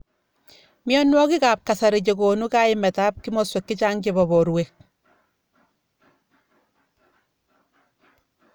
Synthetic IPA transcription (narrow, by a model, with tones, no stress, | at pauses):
mjɔ˦nwɔ˦ki˦ka˨p̚ka˨sa˨ɾi˨t͡ʃe˨ko˨nu˦ka˦ɪmɛ˨ta˦p̚ki˦mɔswe˨kːi˦t͡ʃa˦ŋkebɔ˨bɔ˨ɾwek̚